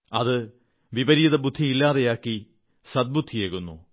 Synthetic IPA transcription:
ɐðɨ | ʋibɐɾiðɐbud̪ʱːiilːaːðejaːkːi | sɐd̪̚bud̪ʱːijeːɣunːṵ

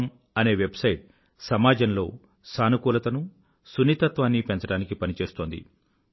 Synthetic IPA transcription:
m | ɐne̞ːʋe̞bsɐjʈ̚ | sɐmaːd͡ʒɐnlo̞̰ː | saːnukuːlɐt̪ɐnu | suniːt̪ɐt̪ʋaːnːipent͡ʃɐɽaːnikipɐnit͡ʃe̞ːst̪o̞ːnd̪ḭ

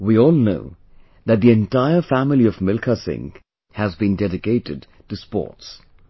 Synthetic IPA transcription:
wiɔlˠnoʊ | ðɨt̪̚ðiɨ̃ntaɪə˞fæmlˠiʌvmɪlˠkʰəsɪ̰̃ŋ | hɨzbĩndɛɾɨkeɪɾɨd̚ | tɨspɔ̰ɹts

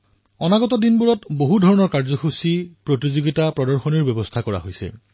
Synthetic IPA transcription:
ɔnaɡɔtɔdinbuɹɔtboɦudʱɔɹɔnɔɹkaɹzɔxusipɹotizoɡitapɹɔdɔɹxɔniɹbɛbɔstʰakɔɹa̰ɦojsɛ̰

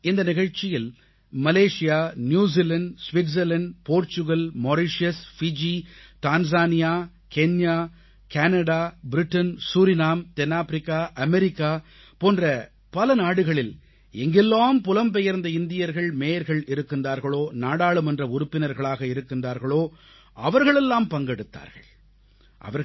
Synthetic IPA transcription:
ɪnd̪ɐnɪɣɐɻt͡ʃɪjɪl | mɐleːʂɪjaːnjuːs̬ilɐɳɖsʋɪʈs̬ɛlɐɳɖpoːɾt͡ʃʊɣɐlmɔɾɪʂjɐsfɪd͡ʒit̪aːns̬aːnɪjaː | kɛɲjaː | kaːnɐɽaːbɪɾɪʈːɐnsuːɾɪnaːmt̪ɛnːaːfɾɪkːaːʔɐmɛɾɪkːaː | poːndrɐ | pɐlɐnaːɽɯɣɐɭɪl | ɛŋɡɛlːaːmpʊlɐmpɛjɐɾnd̪ɐɪnd̪ɪjɐɾɣɐɭmeːjɐɾɣɐɭɪɾɯkːɪnraːɾɣɐɭoːnaːɽaːɭɯmɛndrɐʊɾʊpːɪnɐɾɣɐɭaːɣɐɪɾɯkːɪndraːɾɣɐɭoː | ɐʋɐɾɣɐɭɛlːaːmpɐŋɡɛɽɯt̪ːa̰ːɾɣɐ̰ɭ | ʔɐ̰ʋɐɾ

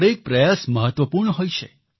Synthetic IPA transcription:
ɾek̚pɾəjasməɦət̪ʋəpuɾɳəɦojt͡ʃʰe

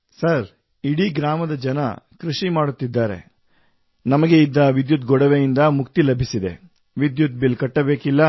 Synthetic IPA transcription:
sɐɾ | iɽiɡɾaːmɐd̪ɐd͡ʒɐnɐ̰kɾuʃimaːɽut̪ːid̪ːaːɾe̞̰ | nɐmɐɡe̞id̪ːɐʋid̪jut̪ɡɔɽɐʋejind̪ɐmukt̪ilɐbʱisid̪e̞̰ | ʋid̪jut̪̚bilkɐʈːɐbe̞ːkilːɐ

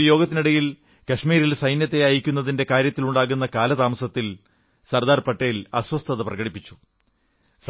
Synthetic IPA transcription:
jo̞ːɡɐt̪ːiniɽɐjil | kɐʂmiːɾilsɐjnjɐt̪ːe̞ɐjikʲːunːɐðinde̞kaːɾjɐt̪ːiluɳɖaːɣunːɐkaːlɐt̪aːmɐsɐt̪ːil | sɐrd̪aːrpɐʈːejlɐswɐst̪ʰɐðɐprɐɣɐɽipːit͡ɕːu̥ | s

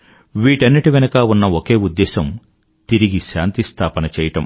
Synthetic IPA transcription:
ʋiːʈɐnːiʈiʋɛnɐkaːunːɐokeːud̪ːɛːʃɐm | t̪iɾiɡiʃa̰ːnt̪ist̪ʰaːpɐnɐt͡ʃɛːjɐʈɐ̰m

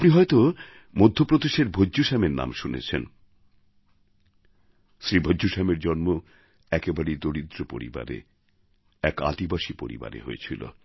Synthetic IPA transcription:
apniɦɔet̪o | mod̪ʱːopɾod̪eʃeɾbʱodʑuʃameɾna̰mʃunḛt͡ɕʰen | sɾibʱod͡ʑuʃameɾd͡ʑɔnmo | ɛkebaɾejd̪oɽid̪ɾopo̰ɾḭba̰ɾḛ | ɛka̰d̪ibaʃipoɾḭba̰ɾḛɦojet͡ɕʰilo̰

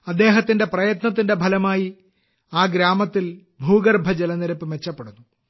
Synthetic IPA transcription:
ɐd̪ːe̞ːɦɐt̪ːinde̞prɐjɐt̪nɐt̪̬ːinde̞bʱɐlɐmaːji | aːɡɾaːmɐt̪ːil | bʱuːɡɐrbʱɐd͡ʑelɐnɐɾɐpːɨme̞t͡ɕːɐpːe̞ɽunːu

